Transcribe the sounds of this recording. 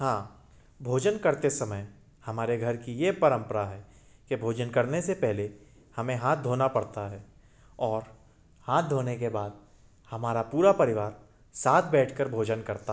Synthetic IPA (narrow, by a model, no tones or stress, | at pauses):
hãː | bʱoːd͡ʒənkɐɾt̪esɐməj | hɐmaːɾeɡʱɐɾkijepɐɾə̃mpəɾaɦɛː | kebʱoːd͡ʒənkɐɾnesepɛɦle | hɐmẽɦaːt̪̚ʰd̪ʱoːnapɐɽt̪aɦɛː | ɔːɾ | haːt̪̚d̪ʱoːnekebaːd̪̚ | hɐmaːɾapuːɾapɐɾɪʋaːɾ | saːt̪ʰbɛːʈʰkəɾbʱoːd͡ʒənkɐɾt̪a